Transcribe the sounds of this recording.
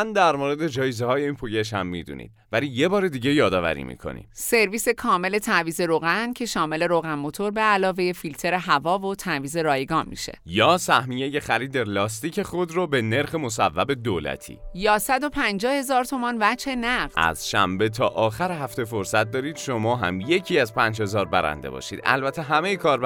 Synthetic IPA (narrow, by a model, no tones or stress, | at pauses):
nd̪æɾmoɾe̞d̪e̞d͡ʒɒːjezehɒːjeiːnpʰujeʃhæmːid̪ṵnḭd̪̥̚væliːje̞bɒːɾed̪iːɟe̞jɒːd̪ɒːvæ̰ɾḭːmḭːkʰo̞̰nḭ̥se̞ɾviːse̞kʰɒːme̞le̞t̪ʰæviːze̞ɾoɣæncʰe̞ʃɒːme̞le̞ɾoɣænmot̪ʰo̞ɾbeælɒːve̞je̞filt̪ʰe̞ɾe̞ɦævɒːvot̪ʰæviːze̞ɾɒːjeɡɒːnmḭʃe̞̰̥jɒːsæhmijeje̞xæɾiːd̪elɒːst̪iːcʰe̞χod̪ɾɔbe̞ne̞ɾxemosævːæbe̞d̪oːlæ̰t̪ʰḭːjɒːsæd̪o̞pʰænd͡ʒɒːhe̞zɒːɾt̪ʰomɒːnvæd͡ʒhe̞næɢd̪æ̰z̥ʃæ̰mbe̞t̪ʰɒːʔɒːxæɾeɦæft̪efoɾsæt̪̚d̪ɒːɾiːd̪̥ʃomɒːɦæ̰mje̞cʰiːæzpʰæːnd͡ʒhe̞zɒːɾbæɾæ̰nd̪e̞̰bɒ̰ʃḭːd̪æ̰lbæt̪ʰe̞ɦæmejekʰɒːɾb